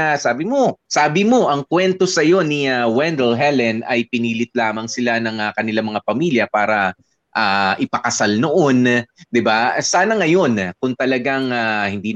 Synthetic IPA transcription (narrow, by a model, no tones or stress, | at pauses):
asaːbɪmo̞saːbɪmo̞ʔɐŋkwɛnt̪o̞sɐjo̞nɪawɛnd̪ɛlɦɛlɛnʔɐjpɪniːlɪt̪̚laːmɐŋsɪlanɐŋɐkɐnɪlamɐŋapɐmiːljɐpaːɾɐ | ʔaːʔɪpɐkɐsalnoʔo̞nd̪ɪbasaːnɐŋɐjo̞nkʊŋt̪ɐlɐɡaŋahɪnd̪iː